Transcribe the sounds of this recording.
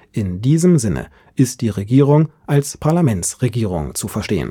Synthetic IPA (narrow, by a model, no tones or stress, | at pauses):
ʔɪndiːzəmzɪnə̰ | ʔɪst̚d̥iːʁeɡiːʁʊŋʔalspʰaɐlamɛntsʁeɡiːʁ̞ʊ̰ŋt͡sufɛɐʃtḛːə̰n